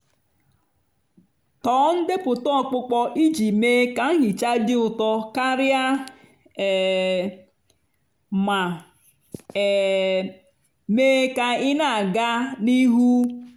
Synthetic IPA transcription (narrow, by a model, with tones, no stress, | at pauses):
tɔː˨˦n̩˦de˦pʊ˨tɔ˦˨k͡pʊ˦k͡pɔ˦ʔi˦d͡ʒi˨meː˦ka˨˦ɦɪ˨t͡ʃa˦dɪ˦ʊ˨tɔ˦ka˦ɾja˦˨ | ma˨ | meː˦ka˨ɪ˦na˦˨ɡa˦ni˦ɦu˦